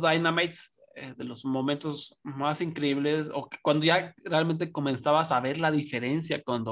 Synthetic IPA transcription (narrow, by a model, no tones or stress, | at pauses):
ðajnamajt̪s | eðe̞lo̞zmo̞mẽnt̪o̞zmasiŋkɾeiβle̞so̰ke̥kwand̪o̞ʝarealmẽnt̪̬eko̞mẽ̞nsaβasaβe̞ɾlaðife̞ɾe̞nsjakwand̪o